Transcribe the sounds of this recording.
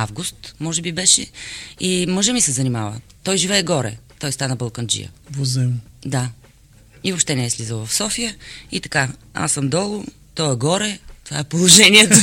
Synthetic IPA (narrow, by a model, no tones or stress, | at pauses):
avɡust̪mɔʒɛbibɛʃɛ̰imɤʒəmisɛzɐnimavə̰ | t̪ɔjʒivɛːɡɔɾɛ̰t̪ɔjst̪anəbəlˠkənd͡ʒḭjə̰vozɛmd̪a | ivopʃt̪ɛnɛɛslizəlˠvɐfsɔfijəit̪ɐ̥kaa̰sːəmd̪ɔlˠʊ | t̪ɔɛɡɔɾɛt̪ova̰ɛpolˠoʒɛniɛt̪o